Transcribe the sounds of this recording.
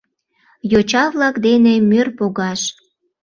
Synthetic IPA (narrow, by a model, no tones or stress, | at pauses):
jot͡ɕɑβlɑkd̪enemørpoɣɑʃ